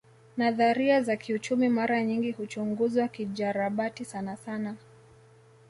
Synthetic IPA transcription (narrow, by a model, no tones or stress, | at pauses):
naðaɾiazakiut͡ʃumimaɾaɲiŋɡihut͡ʃuŋɡuzwakiʄaɾaɓatisanasana